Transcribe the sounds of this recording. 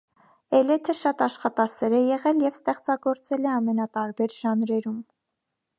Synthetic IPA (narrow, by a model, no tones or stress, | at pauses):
ɛlɛt̪ʰəʃɑt̪ɑʃχɑt̪ɑsɛɾɛjɛʁɛljɛvst̪ɛχt͡sɑɡɔɾt͡sɛlɛɑmɛnɑt̪ɑɾbɛɾʒ̥ɑnɾɛɾum